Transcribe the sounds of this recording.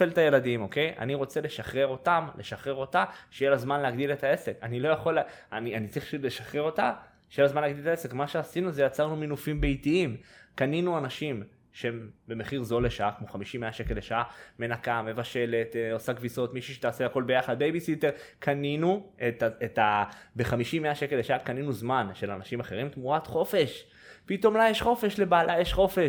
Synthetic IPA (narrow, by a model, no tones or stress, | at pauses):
elt̪aje̞ladimo̞ke̞jʔa̰niʁo̞t͡se̞le̞ʃaχʁe̞ʁo̞tamlʔe̞ʃaχʁe̞ʁo̞taʃejelazmanleaɡd̪ile̞t̪ae̞se̞kanilo̞jaχo̞l | anianit͡saʁiχpaʃutle̞ʃaχʁe̞ʁo̞ta | ʃejelazmanleaɡd̪iletaese̞kmaʃeasinuzejat͡saʁnuminufimbeitiimkaninuanaʃim | ʃeembe̞meχiʁzo̞leʃaakmo̞χamiʃimeaʃe̞ke̞leʃaame̞nakame̞vaʃe̞le̞t̪osaɡviso̞t̪miʃuʃet̪aːselako̞lbe̞jaχad̪̚bejbisiteʁkʰaninuetaet̪abeχamiʃimːeaʃeke̞leʃaakaninuzmanʃe̞lanaʃimaχeʁimt̪muʁat̪χo̞fe̞ʃ | pit̪o̞mlajeʃχo̞fe̞ʃle̞baːlʔajeʃχo̞fe̞ʃ